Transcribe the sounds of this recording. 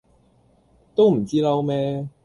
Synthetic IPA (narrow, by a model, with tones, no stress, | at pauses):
t̪o˥wm̩˨˩t͡siː˥lɐ˦˥wmɛː˥